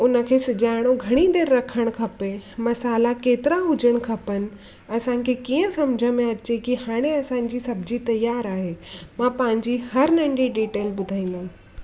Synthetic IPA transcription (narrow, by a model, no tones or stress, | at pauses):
ʊnə̆kʰeːsɪd͡ʑaːɪɽ̃oɡʱɐɽ̃id̪eːɾːɐkʰəɽ̃kʰɐpemɐsaːlakeːt̪ɪɾaɦʊd͡ʑəɽ̃kʰɐpənɪ̆ | ɐsãːkʰeːkiːə̃sɐmd͡ʑʱəmẽɐt͡ɕekihaːɽ̃eɐsãːɲ̆d͡ʑisɐbʱd͡ʑit̪ɐjaːɾaːɦeːmãːpɐ̃ːɪ̃ɲd͡ʑihɐɾnɐ̃ɳɖiɖiːʈeːlɓʊd̪ʱaːĩːn̆d̪aːɦũ